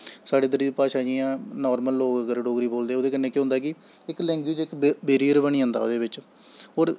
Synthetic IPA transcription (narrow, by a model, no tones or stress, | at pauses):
saːɖeːd̪əɾiːd̪iːpaːʃaːd͡ʒiːãːnɔːɾməlːoːkəɡəɾɖoːɡɾiːboːld̪eːoːd̪eːkənːẽːkjõːɦʊ̃ːnd̪aːkɪ | ɪklɛ̃ːŋɡweːd͡ʒɪkbeːɾiːəɾbəɳ̃iːɦõːnd̪a̰ːo̰ːd̪eːbɪt͡ʃ | ɦoːɾ